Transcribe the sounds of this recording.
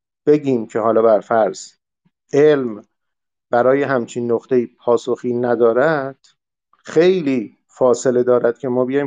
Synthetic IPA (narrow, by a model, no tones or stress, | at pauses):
b̥e̞ɟiːmcʰe̞ɦɒːlɒːbæɾfæɾz̥ | e̞lm | b̥æɾɒːje̞ɦæmt͡ʃʰinːoχt̪ʰe̞jiːpʰɒːso̞xiːnæd̪ɒːɾæd̪̥ | xe̞jliː | fɒːsele̞d̪ɒːɾæd̪̥̚cʰe̞mɒːbejɒj